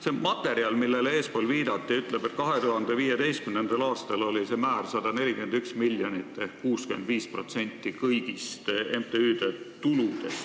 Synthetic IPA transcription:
se̞mɑt̪ːˑe̞ɾiɑlmilːe̞leːspo̞ːlviːd̪̥ɑt̪ːˑiyt̪ˑle̞be̞t̪̚kɑɦe̞t̪uɦɑnd̪̥e̞viːjed̪e̞jst̪̚kymnend̪elɑːst̪ɑlo̞lise̞mæːrsɑd̪̥ɑne̞lʲikymend̪̥yksmilːjonit̪ːˑehkkːuːskymend̪viːspro̞t̪se̞nʲt̪ːikɤjɡ̥ist̪emt̪eyːd̪et̪ulud̪̥e̞s

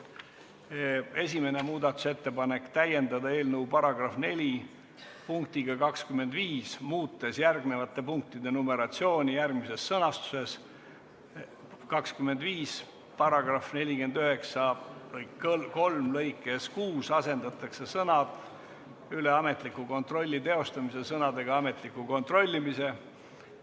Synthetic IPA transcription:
e̞s̬ʲime̞ne̞muːd̪ɑt̪ːˑu̥se̞t̪ːe̞pɑne̞kt̪æje̞nd̪ɑd̪ɑe̞ːlnəupɑɾɑɡ̥rɑfne̞lʲi | puŋk̚t̪iɡ̥ɑkɑkskymːe̞nd̪viːsmuːt̪ːˑesjærɡne̞vɑt̪ːˑe̞puŋk̚t̪id̪e̞nome̞ɾɑt̪sio̞ːnʲijærɡ̥mise̞sːɤnɑst̪u̥se̞s | kɑkskymːe̞nd̪viːs | pɑɾɑɡ̥rɑfne̞lʲiɡe̞nd̪yɦe̞ksɑvɤjko̞lmlɤjkːˑeskuːsɑse̞nd̪̥ɑt̪ːˑɑkse̞sɤnɑd̪̥ | yle̞ɑme̞t̪ˑlikːˑuko̞nt̪ro̞lʲːit̪e̞o̞st̪ɑmise̞sɤnɑd̪e̞ɡ̥ɑɑme̞t̪likːˑuko̞nt̪ro̞lʲːimise̞

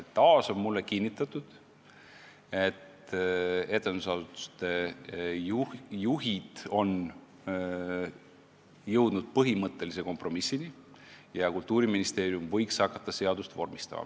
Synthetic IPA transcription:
ɑːso̞nmulːekinʲːit̪ːˑɑt̪ːˑud̪̥ | e̞t̪ | e̞t̪ːˑe̞nd̪usɑd̪ut̪ːu̥st̪e̞jjuɦid̪̥o̞n | jɤwd̪̥nud̪̥̚pɤɦimɤt̪ːe̞lis̬e̞ko̞mpro̞misːini | jɑkult̪uːɾiminist̪e̞ːɾjumvɤ̞jkshɑkːɑt̪ːɑse̞ɑd̪̥ust̪vo̞̰rmist̪ɑ̰mɑ̰

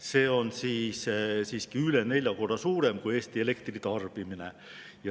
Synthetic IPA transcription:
se̞ːo̞nsiːssiːskiyle̞ne̞lʲjɑko̞rd̥̪ɑsuːɾe̞mkuje̞ːst̪ie̞le̞kt̪rit̪ɑrb̥imine̞̰ | jɑ

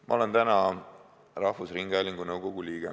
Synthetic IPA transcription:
mʔɑ̰o̞le̞nt̪ænɑ | rɑhvusriŋɡæːlʲiŋɡ̥unɤwɡ̥o̞ɡ̥uliːɡ̥e

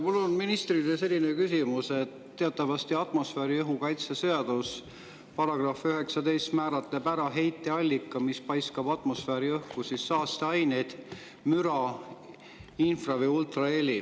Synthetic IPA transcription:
mulonminist̪rid̪ese̞lʲːinekysimuset̪ːeɑt̪ːˑɑvɑst̪iɑt̪mo̞sfeːɾiɤɦukɑjt̪seseɑd̪̥us | pɑɾɑɡ̥rɑːfyɦe̞ksɑd̪e̞jst̪mæːɾɑt̪ːˑepæɾɑɦe̞jt̪ːˑeɑlʲːikːˑɑmispɑjskɑb̥ɑt̪ˑmo̞sfeːɾiɤhkusisːɑːst̪eɑjned̪̥ | myɾɑ | infrɑvejult̪rɑelʲi

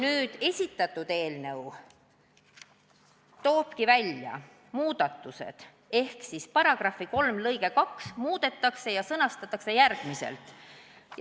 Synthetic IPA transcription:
nyːd̪̥e̞sʲit̪ːˑɑt̪ːˑud̪̥e̞ːlnɤw | t̪o̞ːb̥kivælʲjɑ̰ | muːd̪̥ɑt̪ːˑuse̞̰d̪̥ | e̞hksispɑɾɑɡ̥rɑfːiko̞lmlɤjɡ̥e̞kɑksmuːd̪̥e̞t̪ˑːɑkse̞jɑsɤnɑst̪ɑt̪ːˑɑkse̞jærɡ̥mise̞̰lt̪ˑ

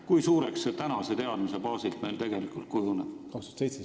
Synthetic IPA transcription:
kujsuːɾekset̪ænɑse̞t̪e̞ɑd̪mise̞bɑːsilt̪me̞jlt̪e̞ɡ̥e̞likˑult̪̚kujuneb̥kɑkst̪uɑ̥t̪sejtse

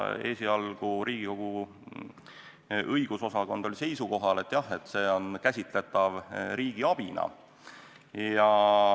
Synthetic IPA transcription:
e̞ːsiɑlɡ̥uɾiːɡ̥iko̞ɡ̥u | ɤjɡ̥uso̞sɑko̞nd̪̥o̞lʲise̞jsuko̞ɦɑle̞t̪ːˑjɑhe̞t̪ːˑse̞ːo̞nkæsʲit̪ˑle̞t̪ˑːɑvɾiːɡ̥iɑb̥inɑ̰ | jɑ

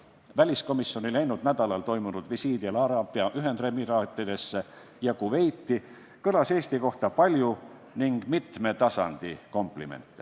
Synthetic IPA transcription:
vælʲisko̞misːio̞nʲilæjnud̪̥næd̪̥ɑlɑlt̪o̞jmunud̪̥visiːd̪̥iɑlɑɾɑːb̥iɑʔyɦend̪re̞miɾɑːt̪ːˑid̪̥e̞sːe | jɑkuve̞jt̪ːi | kɤlɑse̞ːst̪iko̞ht̪ɑpɑlʲju | niŋɡ̥mit̪me̞t̪ɑsɑ̰nd̪̥iko̞mplḭme̞̰nt̪ˑːe

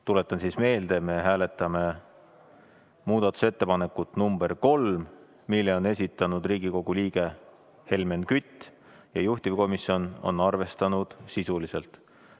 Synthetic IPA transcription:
t̪ule̞t̪ːˑɑnsisme̞ːld̪̥e̞me̞ɦæːle̞t̪ːˑɑme̞ | muːd̪̥ɑt̪ːˑu̥se̞t̪ːe̞pɑne̞kːut̪ːˑnumb̥e̞rko̞lm | milːe̞o̞ne̞sʲit̪ːˑɑnud̪riːɡiko̞ɡ̥uliːɡ̥e̞ | he̞lme̞nkyt̪ʲːˑ | jɑ̰juht̪ivko̞misio̞no̞̰nɑrve̞st̪ɑnud̪̥sisulise̞lt̪

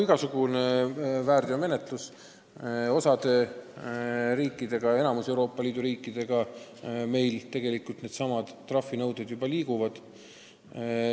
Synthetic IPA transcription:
iɡ̥ɑsuɡ̥unevæːrd̪iome̞ne̞t̪ˑlus | o̞sɑd̪̥e̞ | ɾiːkːˑid̪̥e̞ɡ̥ɑe̞nɑmuse̞wɾo̞ːpːɑliːd̪uɾiːkːˑid̪̥e̞ɡ̥ɑme̞jlt̪e̞ɡ̥e̞likˑult̪ned̪̥sɑmɑd̪̥t̪ːrɑfːinɤwd̪̥ed̪̥jubɑliːɡuvɑd̪̥

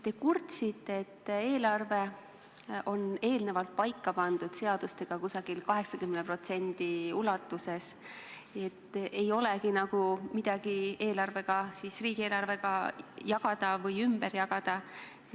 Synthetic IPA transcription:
t̪e̞kurt̪sit̪ːeet̪ːee̞ːlɑrve̞ | o̞ne̞ːlne̞vɑlt̪̚pɑjkːɑpɑnd̪̥ud̪̥se̞ɑd̪ust̪e̞ɡ̥ɑkusɑɡ̥ilkɑɦe̞ksɑkymnepro̞t̪se̞nd̪̥iulɑt̪ːˑuse̞s | e̞t̪ːʔe̞jo̞leɡinɑɡ̥umid̪̥ɑɡ̥ie̞ːlɑrve̞ɡ̥ɑsisriːɡ̥ieːlɑrve̞ɡɑjɑɡ̥ɑd̪̥ɑvɤjymb̥eɾjɑɡ̥ɑd̪̥ɑ

